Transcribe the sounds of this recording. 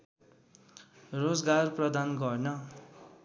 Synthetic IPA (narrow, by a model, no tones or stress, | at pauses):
rod͡zɡarprʌd̪anɡʌrnʌ